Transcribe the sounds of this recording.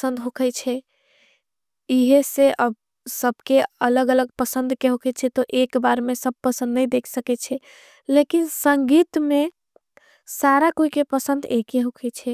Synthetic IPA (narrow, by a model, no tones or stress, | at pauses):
əsə̃nd̪ɦokʰɛt͡ʃʰɛ | iɦeseʔəb | səbʱkeələɡələɡ̚pəsə̃nd̪ʱkeɦokʰɛt͡ʃʰɛt̪ɔʔekbaɾmesəb̚pəsə̃nd̪nəjd̪ekʰsəkɛt͡ʃʰɛ | lekinsəŋɡit̪me | saɾakoikepəsənd̪ekeɦokʰɛt͡ʃʰɛ